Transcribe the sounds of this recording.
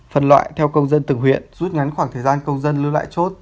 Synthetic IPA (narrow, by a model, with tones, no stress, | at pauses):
fə˨˩nlwa̰ː˧˨jt̪ʰɛ˧wkə˧wŋ͡mzə˧nt̪ɨ˨˩ŋɦwḭ˧˨ənzu˦˥t̚ŋa˨˦jnxwaː˧˩t̪ʰəː˨˩jzaː˧nkə˧wŋ͡mzə˧nlɨ˧la̰ː˧˨jt͡ɕo˦˥t̚